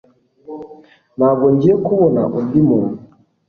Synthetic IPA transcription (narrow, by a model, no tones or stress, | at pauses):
naɡɔɲɟiɛkuβɔna̰ʔundimuɾ